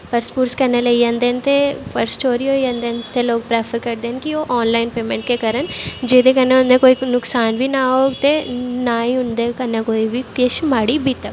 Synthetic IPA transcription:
pɐɾspuːɾskɐɾnelɐijɐnd̪ent̪epɐɾst͡ʃoːɾiojɐ̃nd̪eːnt̪eloːɡ̚pɾeːpʰəɾkɐɾd̪eːnkioʔɔːnlaːɪnpeːmẽɳʈ̚kekaɾənd͡ʒeːd̪ekɐneʊnd̪ekoːinʊksaːnbʱinaɦoːɡt̪enaːɦĩʊnd̪ekɐnːakoːibʱieʃmaːɽibʱit̪ɐk

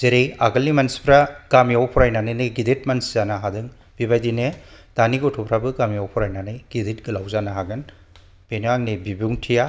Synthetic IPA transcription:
zeɾejaɡɐlːimansi̥pʰɾaɡ̥amijawpʰɔɾajnanɯnɯjɡidet̚mansizanaɦadɯŋ | b̥ibajdine | d̥aniɡɔtʰɔpʰɾabɯɡamijawpʰuɾajnanɯjɡ̥idet̚ɡɯlawzanaɦaɡɯn | b̥enaŋnebibuŋtʰija

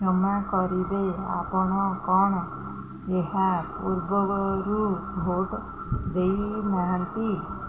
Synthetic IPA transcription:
d͡ʒɔmakɔɾibea̰pɔɽ̃ɔkɔɽ̃ɔ | eɦapuɾbɔɾubʱoʈ | d̪ejnaɦant̪i

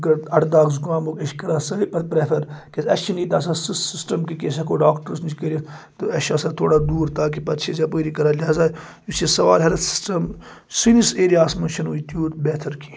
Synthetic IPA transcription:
kɐɾt̪ɐʈd̪aːɡzukãːmokɐʃkɐɾaːsɐpɐt̪̚pɾefʰɐɾkesɐʃt͡ʃʰinit̪aːsasissisʈɐmkikesakoːɖaːkʈəɾsnit͡ʃʰkɐɾit̪ɨɐʃasɐt̪ʰoːɽaːd̪uːɾt̪aːk̬ipɐt̪t͡ʃʰezʲaːpoːɾikɐɾaːlʲɦaːzaː | usisɐʋa̰ːlɦɐɾɐt̪si̥sʈɐm | siniseːɾijaːsmɐnt͡ʃʰɐnuit̪uːt̪beːt̪ʰɐɾkʰi̥

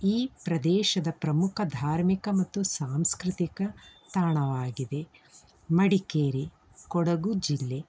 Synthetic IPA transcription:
iːpɾɐd̪ɛːʃɐd̪ɐpɾɐmukʰɐd̪ʱaːɾmikɐmɐt̪ːusaːmskɾɪt̪ikɐt̪aːɳɐʋaːɡid̪e̞ | mɐɽikeːɾi | kɔɽɐɡud͡ʒilːe̞

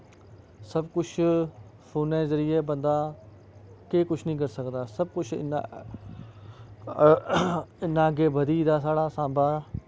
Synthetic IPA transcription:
səbkʊt͡ʃʰ | pʰoːnẽːzəɾɪjeːbənd̪aː | keːkʊt͡ʃʰnĩːk̬əɾsəkd̪aːsəb̚kʊt͡ʃʰɪ̰na̰ | ɪnãːəɡeːbəd̪iːd̪aːsaːɽaːsãːmbʱaː

